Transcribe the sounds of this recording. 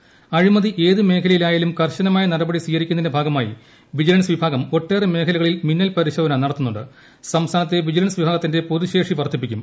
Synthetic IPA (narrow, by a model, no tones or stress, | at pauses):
ɐɻimɐðiʔe̞ːðɨme̞ːkʰɐlɐjilaːjaːlumkɐrɕɐnɐmaːjɐnɐɾɐbɐɽisiːjɣɐɾikʲːunːɐðnebʱaːɡɐmaːjḭ | ʋid͡ʑɐlɐnsʋibʱaːɡɐmo̞ʈːe̞ːreme̞ːkʰɐlɐɣɐɭilminːɐlpɐɾiɕoːd̪ɐnɐnɐɽɐt̪ːunːuɳɖɨ̰ | sɐmst̪ʰaːnɐt̪̬ːeʋid͡ʑɐlɐnsʋibʱaːɣɐt̪ːinde̞po̞ðuɕe̞ːʂiʋɐrt̪ːip̬ːikʲːṵm